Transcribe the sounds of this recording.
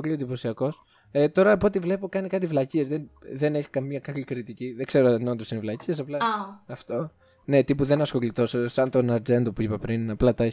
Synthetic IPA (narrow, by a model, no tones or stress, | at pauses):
klioðiposiɐko̞s | et̪o̞ɾɐpo̞t̪ivle̞po̞kɐnikɐt̪ivlɐciezðenðe̞ne̞çi̥kɐmiɐkɐklikɾit̪iciðeɡ̥se̞ɾoɐt̪inont̪usinevlɐcies̬ɐplɐɐft̪o̞ | ne̞t̪ipuðenɐsxo̞lit̪o̞ssɐnt̪onɐɾd͡ze̞nd̪opuipɐpɾinɐplɐt̪ɐe